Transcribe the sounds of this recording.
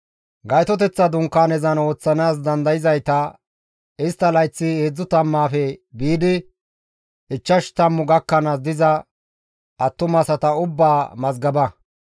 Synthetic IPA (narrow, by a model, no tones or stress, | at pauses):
ɡɐjt̪ɔt̪̬ɛt͡sːɐd̪ʊŋkːaːnɛzɐno̞ːt͡sːɐnaːs̬d̪ɐnd̪ɐjɪzɐjt̪ɐ | ɪst̪ːɐlɐjt͡sːɪeːd͡zːʊt̪ɐmːaːfɛbiːd̪ɪ | ɪt͡ʃːɐʃt̪ɐmːʊɡɐkːɐnɐs̬d̪ɪzɐ | ʔɐt̪ːʊmɐsɐt̪ɐʊbːaːmɐzɡɐbɐ